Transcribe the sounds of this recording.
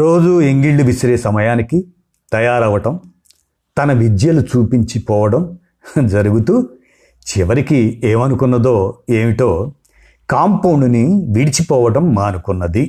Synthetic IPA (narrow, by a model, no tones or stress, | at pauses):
ɾoːd͡ʒueŋɡiɭɖuʋiʃɾeːsɐmɐjaːniki | t̪ɐjaːɾɐʋɐʈɐm | t̪ɐnɐʋid͡ʒjɐlut͡ʃuːpiɲt͡ʃipɔːʋɐɽɐm | d͡ʒɐɾuɡut̪uː | t͡ʃiʋɐɾikieːmɐnukunːɐd̪o̞ːeːmiʈo̞ː | kaːmpɐwɳɖuniʋiɽit͡ʃipɔːʋɐʈɐmːaːnukunːɐd̪i